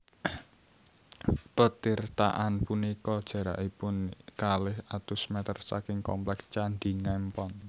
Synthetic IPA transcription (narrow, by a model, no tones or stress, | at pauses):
pət̪irt̪a̰ʔanpunikɔd̥ʒ̥ä̤ɾa̰ʔipʊnkalɪhat̪usmɛt̪ərsa̰kɪŋkɔmplɛkst͡ʃanɖ̪iŋɛmpɔn